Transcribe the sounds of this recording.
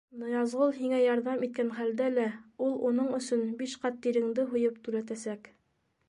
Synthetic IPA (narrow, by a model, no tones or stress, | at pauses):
nŏjɑzʁolˠɦiŋæjɑɾðɑmit̪̚kænχæld̪ælæulˠunɤɴɵ̆sɵnbiʃqɑt̪ːiɾɘ̆ŋd̪ɘɦŭjɤpt̪ʉɾæt̪æsæk